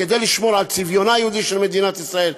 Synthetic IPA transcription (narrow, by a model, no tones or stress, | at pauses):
ed̪ejliʃmoʁalt͡sivjonajehud̪iʃelmed̪inat̪isʁael